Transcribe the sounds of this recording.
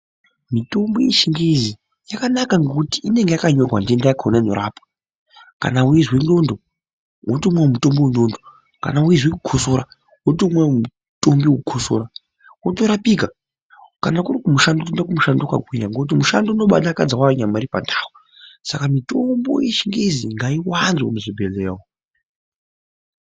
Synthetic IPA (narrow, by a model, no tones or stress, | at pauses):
mito̞mbo̞jeʃiŋɡezi | jakanakaŋɡokutiʔine̞ŋɡejakaɲorwandiendajakʰonanoɾaːpḁ | ka̰nawizwindo̞ndo | wotomwawmuto̞mbiwendondo | ka̰nawizwekuɡʰosoɾa | wotomwemu | to̞mbiwkuɡʰʱoso̰ɾa | wotoɾapika | kanakuɾikumuʃandotindakumuʃandoka̰ɡʱwiɲaŋɡokut̬imuʃandouno̞ɓa̰ɗakad͡zawaɲamaɾipa̰ndaːwo | sakamitombo̰jeʃiŋɡeziŋɡaiwanzwa̰muʐibʱeleːwo